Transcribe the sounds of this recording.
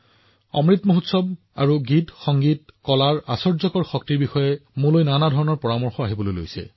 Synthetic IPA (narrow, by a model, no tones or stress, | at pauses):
ɔ̰mɹitmoɦutsɔb | a̰ɹuɡitxɔŋɡitkɔlaɹa̰sɔɹzɔkɔɹxɔk̚tiɹbixɔjɛmũlojnanadʱɔɹɔnɔɹpɔɹamɔɹxɔaɦibɔlojlo̰jsɛ̰